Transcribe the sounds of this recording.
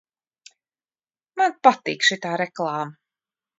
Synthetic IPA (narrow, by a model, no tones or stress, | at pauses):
manpat̪ḭkʃit̪aːɾɛklˠaːm